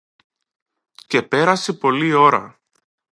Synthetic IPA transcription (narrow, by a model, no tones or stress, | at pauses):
ce̞pe̞ɾɐsepo̞lio̞ɾɐ̰